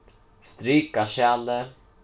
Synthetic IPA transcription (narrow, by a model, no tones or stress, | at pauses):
st̪ɾyːkaɕɛlə